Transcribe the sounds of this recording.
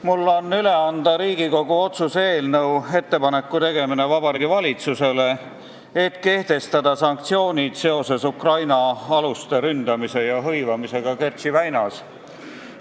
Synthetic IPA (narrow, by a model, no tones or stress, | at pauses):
mulːo̞nːyle̞ɑnd̪ɑɾiːɡ̥iko̞ɡ̥uo̞t̪suse̞ːlnɤwe̞t̪ːe̞pɑne̞kːut̪e̞ɡe̞mine̞vɑbɑɾiɡivɑlʲit̪suse̞le̞ | et̪ke̞ht̪e̞st̪ɑd̪̥ɑsɑŋk̚t̪sio̞ːnʲid̪̥se̞o̞se̞sukrɑjnɑɑlust̪e̞ɾynd̪ɑmise̞jɑɦɤjvɑmise̞ɡ̥ɑke̞rt̪sivæjnɑs